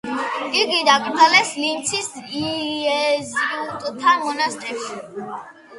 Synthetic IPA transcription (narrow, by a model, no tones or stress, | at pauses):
iɡid̪akʼɾd̪zalɛpslint̪sʰisiɛzut̪ʼt̪ʰanmɔnast̪ʼɛpʃi